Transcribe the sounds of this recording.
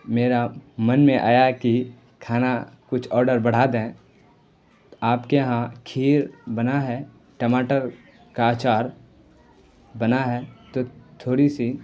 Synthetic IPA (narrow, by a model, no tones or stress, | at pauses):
meːɾamənmẽʔa̰ːjaki | kʰaːnakʊt͡ʃʰɔːɾɖəɾbəɽ̤aːd̪ẽ | aːpkeɦãkʰiːɾbənaɦɛ | ʈəmaːʈəɾ | kaːt͡ʃaːɾ | bənaɦɛt̪ot̪ʰoːɾisi